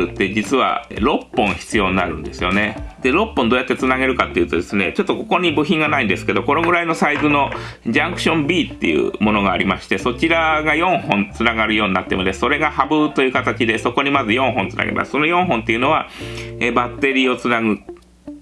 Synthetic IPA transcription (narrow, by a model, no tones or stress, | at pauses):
ɯ̟t̪ːe̞d͡ʑit͡sɨβa̰ɾo̞pːõ̞ɰ̃çi̥t͡sɨjo̞ːɲʲinaɾɯ̟̰̃nd̪e̞sɨjo̞ne̞d̪̥e̞ɾo̞pːõnd̪oːjat̪ːe̞t͡sɨnaɡe̞ɾɯ̟kat̪ːejɯ̟t̪o̞d̪e̞sɨne̞t͡ɕo̞t̪ːoko̞ko̞ɲ̟ibɯ̟çʲĩŋɡanaĩnd̪e̞sɨ̥ke̞d̪o̞ko̞no̞ɡɯ̟ɾaino̞saizɨno̞d͡ʑãŋkɯ̟̥ɕõ̞mbʲiːt̪ːe̞̰jɯ̰mo̞no̞ɡaːɾʲimaɕi̥t̪e̞so̞t͡ɕiɾaɡajõ̞ɰ̃hõ̞nt͡sɨnaɡaɾɯjo̞ːɲinat̪ːemod̪esso̞ɾe̞ɡahabɯt̪o̞jɯ̟ːkat̪at͡ɕid̪e̞so̞ko̞ɲ̟imazɨjõ̞ɰ̃ɦõnt͡sɨna̰ɡḛma̰sso̞no̞jõ̞ɰ̃ɦõ̞nt̪ːe̞jiɯ̟no̞βaeːbat̪ːe̞ɾʲiːo̞t͡sɨnaɡɯ̟